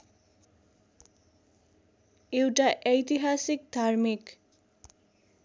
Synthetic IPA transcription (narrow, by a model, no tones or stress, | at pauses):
ewʈaʔʌjt̪iɦasik̚d̪ʱarmik